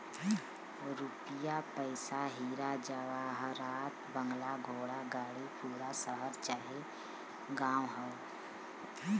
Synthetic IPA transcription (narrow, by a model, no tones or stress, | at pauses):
ɾupɪjapəɪsaɦiːɾad͡ʒaʋaɦɾaːt̪bə̃ŋɡlaɡʱoːɽaɡaːɽipuːɾasəɦəɾt͡ʃaːɦe | ɡãːwɦɛ